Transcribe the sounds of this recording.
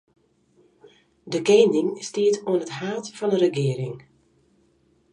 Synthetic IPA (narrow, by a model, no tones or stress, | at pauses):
dəkeːndɪŋstiətʰoənətɦaːtfɔnərəɡɪəɾɪŋ